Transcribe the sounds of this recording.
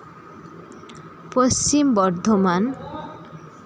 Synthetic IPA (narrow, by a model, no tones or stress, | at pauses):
post͡ɕimbɔɾd̪ʱoman